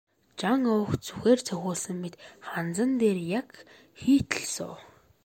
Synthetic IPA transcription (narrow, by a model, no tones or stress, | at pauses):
t͡ɕaŋʊwxt͡su̥xeːrt͡sʰœxʲʊːɮsə̆mːet̪χant͡sə̆nt̪eːrjak | xiːt̪ə̥̆ɮsʊ̰ː